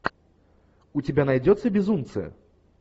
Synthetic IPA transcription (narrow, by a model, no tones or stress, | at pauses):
ut͡sʲɛbʲanajd͡zʲɔt̪sɨbʲizumt̪sɛ̰